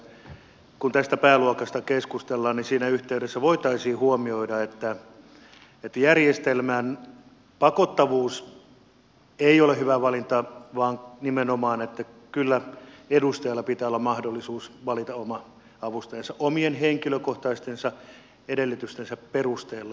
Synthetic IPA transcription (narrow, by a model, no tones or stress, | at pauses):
kunt̪æst̪æpæːluokɑst̪ɑkeskust̪elːɑːnninsiːnæyht̪eyɾesːæʋoit̪ɑisiːhuomioidɑet̪ːæ | et̪ːæjærjest̪elmæn | pɑkot̪ːɑʋuːs | eˑiolehyʋæʋɑlint̪ɑʋɑːŋnimenomɑːnet̪ːækylːæedust̪ɑjɑlːɑpit̪æːolːɑmɑhdolːisuːsʋɑlit̪ɑomɑ | ɑʋust̪ɑjɑnsɑʔʔomienheŋkiløkoht̪ɑist̪ensɑ | edelːyt̪yst̪ensæpperust̪eːlːɑ